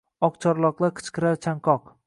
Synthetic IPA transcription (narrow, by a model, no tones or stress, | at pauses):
ɒq̚t͡ʃʰɒɾlˠɒqlˠaɾkqʰɨ̥t͡ʃqʰɨɾaɾt͡ʃʰaŋqʰɒq